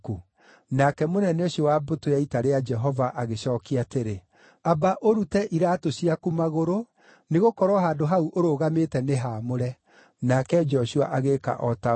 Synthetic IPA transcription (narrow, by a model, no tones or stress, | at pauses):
ku | nakɛmonɛneoɕiɔwabotojaitaɾead͡ʒɛɦɔvaʔaɣeɕɔːkiateɾe | abaʔoɾutɛʔiɾaːtoɕiakumaɣoɾo | neɣokɔɾwɔɦaːdoɦauʔoɾoɣametɛneɦaːmoɾɛ | nakɛd͡ʒɔɕua̰ʔaɣeka̰ʔɔta